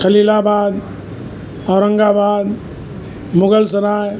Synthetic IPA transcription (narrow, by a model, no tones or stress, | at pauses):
kʰəlilabad̪ | ɔɾə̃ŋɡabad̪ | mʊɡəlsənaj